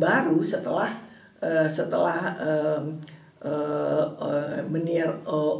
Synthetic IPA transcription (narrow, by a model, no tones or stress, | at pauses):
baɾusət̪əlah | əsət̪əlahə | ʔə | məniarə